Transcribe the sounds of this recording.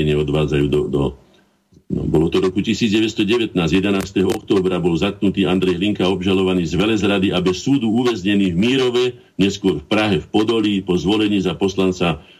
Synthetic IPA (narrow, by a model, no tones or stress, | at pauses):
ɛɲɪɛɔd̪ʋaːd͡zajuːd̪ɔd̪ɔ | bɔlɔt̪ɔɾɔkucisiːd͡zɟɛʋɛst̪ɔɟɛʋɛt̪naːzjɛd̪ɛnaːst̪ɛɦɔɔk̚t̪ɔːbɾabɔlzat̪̚knut̪iːand̪ɾɛjɦliŋkaɔbʒalɔʋaniːzʋɛlɛzɾad̪iʔabɛsːuːd̪uuʋɛzɲɛniːvmiːɾɔʋɛ | ɲɛskʊɔɾfpɾaɦɛfpɔd̪ɔlipɔzʋɔlɛɲiːzapɔslant͡sa